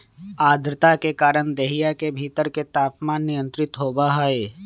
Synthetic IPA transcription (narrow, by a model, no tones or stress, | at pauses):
aːd̪ɾɪt̪akekaːɾəɳ̃d̪eːɦijakebʱiːt̪əɾket̪aːpmaːnːɪjə̃nt̪ɾɪt̪ɦoːbaɦae